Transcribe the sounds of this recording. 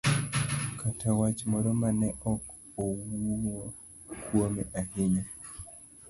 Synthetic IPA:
kʰatawat͡ʃmɔɾɔmanɛʔɔkowuwo | kwomeʔaɦɪɲo

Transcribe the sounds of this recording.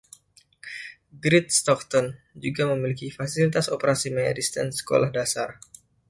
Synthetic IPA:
ɡɾɪt̪̚st̪ɔk̚t̪ɔn | d͡ʒuɡaməmilikifasilit̪asopəɾasimaja̰dist̪ɛnsə̥ko̰lahdasar

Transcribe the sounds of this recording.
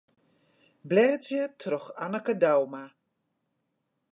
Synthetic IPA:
blɛːt͡sjətʰrɔxanəkədawma

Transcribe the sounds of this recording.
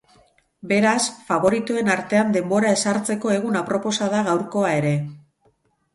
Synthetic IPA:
be̞ɾasfaβo̞ɾit̪ue̞naɾt̪e̞and̪e̞mbo̞ɾae̞saɾt͡se̞ko̞e̞ɣ̞unapɾo̞po̞saðaɣawɾko̞ae̞ɾe̞

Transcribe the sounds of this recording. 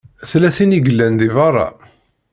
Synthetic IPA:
θlæθiniɡəlːænðivɑrˤːɑ̰

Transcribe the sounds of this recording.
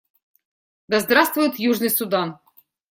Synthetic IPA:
d̪ɐzd̪ɾast̪vʊjʊt̪juʐnɨjsʊd̪an

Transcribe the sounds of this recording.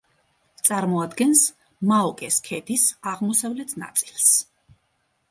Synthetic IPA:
t̪sʼaɾmɔad̪ɡɛns | maɔkʼɛskʰɛd̪isaʁmɔsavlɛt̪ʰna̰t̪sʼilˠs

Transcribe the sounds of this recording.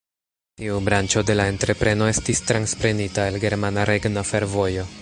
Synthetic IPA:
tiubɾant͡ʃo̞de̞lae̞ntɾe̞pɾe̞no̞e̞stistɾanspɾe̞nitaelɡe̞ɾmanaɾe̞ɡnafe̞ɾvo̞jo̞

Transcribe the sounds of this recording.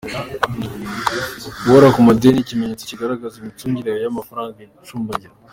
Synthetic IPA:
woɾakumadenicimeɲet͡si̥ciɡaɾaɡazimituːɲɟiɾaajamafaɾaːŋɡaɡut͡ʃuːmbaɟiɾa

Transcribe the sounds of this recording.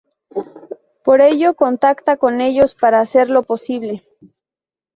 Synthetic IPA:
po̞ɾe̞ʝo̞ko̞nt̪akt̪ako̞ne̞ʎo̞spaɾaːse̞ɾlo̞po̞siβle̞

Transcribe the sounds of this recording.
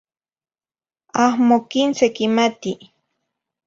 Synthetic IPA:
ahmokinsekimat̪i

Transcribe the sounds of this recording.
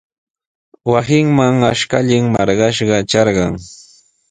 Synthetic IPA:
wasɪŋmaŋaʃkaʎɪŋmɑɾɢɑʃɢɑt͡ʃɑɾɢɑŋ

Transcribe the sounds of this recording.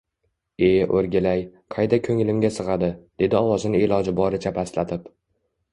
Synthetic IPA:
e̞ʔoɾɡʲɪlajqʰɑjd̪akʰɵŋɪlɪmɡʲasɨʁɑd̪ɪd̪̥e̞d̪ɪɒwɒzɪnɪelɒd͡ʒɪbɒɾɪt͡ʃʰapʰaslat̪ʰɪp

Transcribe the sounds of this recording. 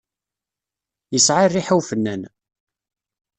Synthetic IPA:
jəsʕarːiħəwfənːæn

